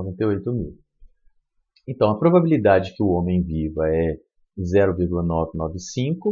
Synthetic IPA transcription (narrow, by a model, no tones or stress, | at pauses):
ovẽnt̪eojt̪ʊmiw | ẽnt̪ɐ̃w̃ɐpɾobabilid̪ad͡ʒɪkɪʊõmẽj̃vivɐɛ | zɛɾʊviɾɡulɐnɔvɪnɔvɪsĩkʊ